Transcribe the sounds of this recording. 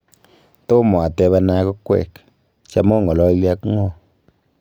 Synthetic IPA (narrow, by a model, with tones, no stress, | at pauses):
t̪o˦mɔ˨a˨tɛ˧βa˧na˧˦kɔ˦kwɛ̰˨k | t͡ʃa˦mɔ˦ŋɡɔ˨lɔ˧˦lja˧kŋɔ˦˨